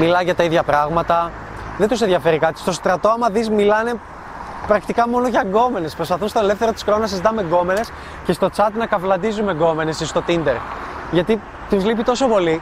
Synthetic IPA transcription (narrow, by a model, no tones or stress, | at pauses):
milɐʝɐt̪ɐiðʝɐpɾɐɣmɐt̪ɐ | ðent̪us̬eðʝɐfe̞ɾikɐt̪i̥st̪o̞st̪ɾɐt̪o̞ɐmɐðizmilɐne̞ | pɾɐkt̪ikɐmo̞noʝɐɡo̞me̞ne̞spɾo̞spɐθunst̪o̞ele̞fθe̞ɾo̞t̪i̥skɾo̞nɐsizit̪ɐme̞ɡo̞me̞ne̞s | ce̞st̪o̞t͡sɐt̪nɐkɐvlɐnd̪izume̞ɡo̞me̞ne̞sist̪o̞t̪ind̪e̞ɾʝɐt̪i | t̪uzlipit̪o̞so̞po̞li